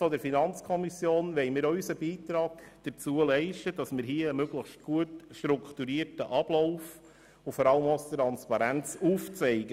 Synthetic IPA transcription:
fɔdəɾfinɑnt͡skʰɔmisjoːnʋɛɪmiːɾœysəbiːtɾɑːɡd̥ət͡suəlɛɪʃtəd̥ɑsmɪɾɦiəəmøɡləxʃt̚ɡ̥uətʃtɾukχt̪uɾiəɾtəʔɑb̥lɔʊf | ʊfɔɾɑləmɔstɾɑnspɑɾænt͡suːft͡sɛɪɡə

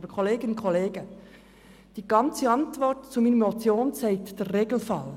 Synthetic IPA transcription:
bəkʰoleːɡɪnnkʰoleːɡə | d̥iːɡɑnt͡səɑntvɔrtt͡suminəmot͡sjoːnt͡sɛɪtd̥ɛrreːɡl̩fɑl

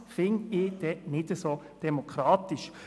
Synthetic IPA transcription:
fɪnɪd̥ɛnɪd̥əsoː | d̥ɛmokʰɾaːt̪ɪʃ

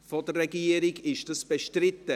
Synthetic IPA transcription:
fɔdərɛɡiəɾɪɡɪʃd̥ɑsb̥eʃtɾɪtːə

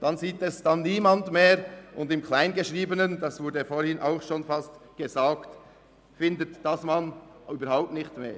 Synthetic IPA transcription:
d̥ɑnziːtɛsd̥ɑnːiːmɑndmeːɾʔʊndɪmkʰlaɪnɡeʃʁiːbənəndɑsvʊɐdəfoːɾhɪnʔa̰ʊxʃoːnfɑstɡ̥ezaːkt | fɪndətd̥ɑsmɑnyːbəɾhaʊp̚tnɪxtmḛː

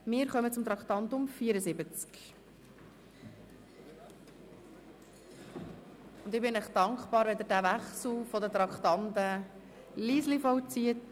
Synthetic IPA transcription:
mɪːɾχœmət͡sʊmt̪ɾɑkχt̪ɑntʊmfiːəɾəzɪbət͡sk | ʊnd̪ɪbɪnəχd̥ɑŋkχpɑːɾʋɛd̪əɾdæʋæχsl̩fɔdət̪ɾɑktɑntə | liːslifɔwt͡siət

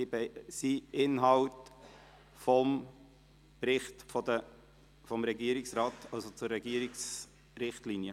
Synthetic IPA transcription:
ibɛsiɪnɦɑwt | fɔm | pɾɪχtfɔd̪ə | fɔmɾɛɡiəɾiksɾɑːtʰɑlsot͡sʊrːɛɡiəɾiks | ɾɪχtlinjə

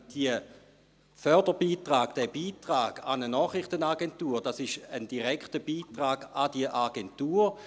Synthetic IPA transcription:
d̥iə | fœɐdəbiːtʁaːɡ̥d̥ɛbiːtʁaːɡ̥anənɔːχrɪχtənaɡentuːɾd̥asɪʃəndiʁɛkχtəb̥iːtʁaːɡ̥adiəʔaɡɛntuːɾ

